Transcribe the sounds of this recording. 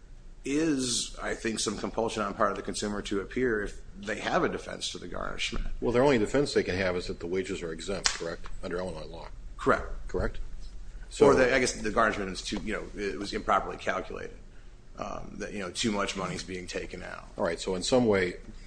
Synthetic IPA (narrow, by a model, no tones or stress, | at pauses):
ɪza̰ɪθɪ̃ŋksʌ̃mkʰə̃m̩pʰʌlˠʃɨ̃nə̃npʰɑɹɾʌvðɨkʰɨ̃n̩sʉ̃mə˞ɾʰɨɨpʰɪɹɪf | ðeɪɨvɨdɨfɛ̰̃nstʰə˞ðɨɡɑ̰ɹnɨ̰ʃmɨ̰̃nt̚wɛlˠðə˞õʊ̃nlidɨfɛ̃nsðeɪkɨ̃nɨvɨzðɨt̪̚ðəweɪd͡ʒɨzə˞ɨɡzɛ̃mpt̚kʰə˞ɛk̚tʌ̃ndə˞aʊ̃nãlɔ | kʰə˞ɛ̰k̚t̚kʰə˞ɛk̚t̚ | sə˞ðɨaɪɡɛsðɨɡɑɹnɨʃmɨ̃ñɨz̥tʰʉjɨnoʊɪt̚wʌzɨ̃mpʰɹ̥ɑpə˞lˠḭkʰælˠkʰjlḛɪɾɨd̥̚ | ʔʌ̰̃mðɨʔ̚jɨnoʊtʰʉmʌt͡ʃmʌñizbiɪ̃ŋtʰeɪkɨ̃na̰ʊt̚ɹaɪtsoʊɨ̃nsʌ̃mweɪ